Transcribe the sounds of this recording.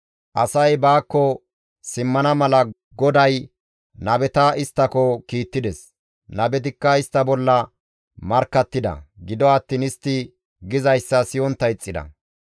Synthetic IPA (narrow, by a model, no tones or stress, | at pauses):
ʔɐsɐjbaːkːɔ | sɪmːɐnɐmɐlɐ | ɡɔd̪ɐj | nɐbɛt̪ɐɪst̪ːɐkɔkiːt̪ːɪd̪ɛs | nɐbɛt̪̬ɪkːɐɪst̪ːɐbɔlːɐ | mɐɾkːɐt̪ːɪd̪ɐ̰ɡɪd̪ɔɐt̪ːiːnɪst̪ːɪ | ɡɪzɐjsːɐsɪjɔnt̪ːɐjt͡sʼːɪd̪ɐ̰